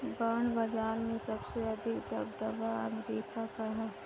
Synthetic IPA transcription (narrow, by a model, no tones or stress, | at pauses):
baːɳbɐd͡ʒaːɾmẽsɐbseɐd̪ʱɪkd̪ɐbd̪ɐbaɐ̰ŋɡɾiːpakaɦɛː